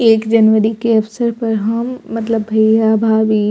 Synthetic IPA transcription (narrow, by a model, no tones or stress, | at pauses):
eːkd͡ʒɐnʋəɾikeɐfsəɾpɐɾɦɐmːɐt̪ləbʱːɐijabʱaːbi